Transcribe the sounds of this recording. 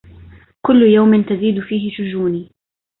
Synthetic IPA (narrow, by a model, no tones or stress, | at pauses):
kʊlːʊjawmɪnt̪aziːd̪ʊfiːɦɪʃʊd͡ʒuːniː